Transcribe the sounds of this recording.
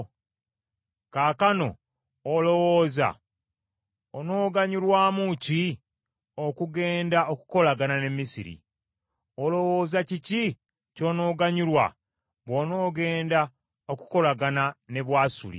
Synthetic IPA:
kaːkano̞̰ | olo̞woːza̰ | ono̞ːɡaɲulwaːmuci | okuɡe̞ːndaokuko̞laɡanane̞mːisḭɾḭ | olo̞wo̞ːzacici | co̞no̞ːɡaɲulwa̰ | βwono̞ːɡe̞ːnda | o̞ku̥ko̞laɡanane̞βwaːsṵlḭ

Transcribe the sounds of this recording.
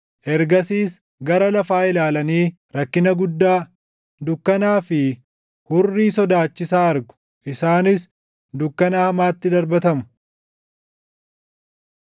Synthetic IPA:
ʔɛɾɡɐsiːs | ɡɐɾɐlɐfaːɪlaːlɐniː | ɾɐkːɪnɐɡʊd̪ːaː | d̪ʊkːɐnaːfɪ | hʊrːiːsɔd̪aːt͡ʃːɪsaːɐɾɡʊ̥ | ʔɪsaːnɪs | d̪ʊkːɐnaːhɐmaːt̪ːɪd̪ɐɾbɐt̪ɐmʊ̥

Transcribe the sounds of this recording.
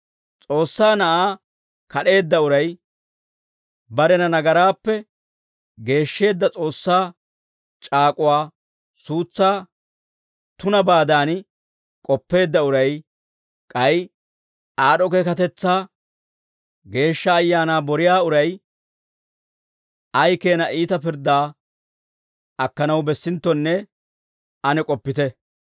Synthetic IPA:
t͡sʼo̞ːsːaːnɐʔaː | kɐɗe̞ːd̪ːɐʊɾɐj | bɐɾɛnɐnɐɡɐɾaːpːɛ | ɡe̞ːʃːe̞ːd̪ːɐt͡sʼo̞ːsːaː | t͡ʃʼaːkʼʊwaː | suːt͡sːaː | t̪ʊnɐbaːd̪aːn | kʼɔpːe̞ːd̪ːɐʊɾɐj | kʼɐj | aːɗɔkeːkɐt̪ɛt͡sːaː | ɡe̞ːʃːɐːjːaːnaːbɔɾɪjaːʊɾɐj | ɐjke̞ːnɐʔiːt̪ɐpɪɾd̪aː | ɐkːɐnɐwbɛsːɪnt̪ːɔnːɛ | ɐnɛkʼɔpːɪt̪ɛ

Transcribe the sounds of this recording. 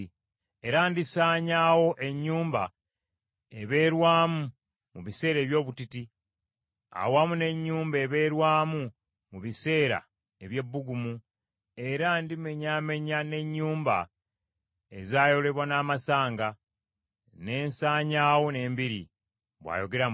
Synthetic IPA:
e̞ɾandisaːɲaːwo̞ʔe̞ɲːuːmba | eβe̞ːɾwaːmu | muβise̞ːɾe̞ːβjo̞ːβutiti | a̰wamune̞ɲːuːmbe̞βe̞ːɾwaːmu | muβise̞ːɾa̰ | e̞βje̞bːuɡumu | e̞ɾandime̞ɲame̞ɲane̞ɲːuːmba̰ | ezaːjo̞le̞βwanaːmasaːŋɡa | ne̞ːnsaːɲaːwo̞ne̞ːmbiɾḭ | βwa̰ːjo̞ɡe̞ɾa

